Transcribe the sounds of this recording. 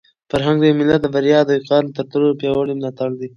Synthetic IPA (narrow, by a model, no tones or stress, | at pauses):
faɾɦaŋɡ̚d̪əjmɪlat̪̚d̪əbaɾjɑd̪əiqɑɾt̪əɾt̪əɾopjɑwaɽimɪlɑt̪aɽd̪i